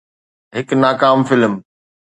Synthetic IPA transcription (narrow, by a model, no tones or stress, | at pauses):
ɦɪknaːkaːmfɪlm